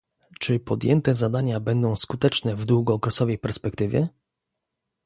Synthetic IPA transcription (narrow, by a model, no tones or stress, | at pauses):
t͡ʂɘpɔd̪jɛnt̪ɛzad̪aɲabɛnd̪ɔ̃w̃skut̪ɛt͡ʂnɛvd̪wuɡɔːkɾɛsɔvɛjpɛɾspɛkt̪ɘvʲjɛ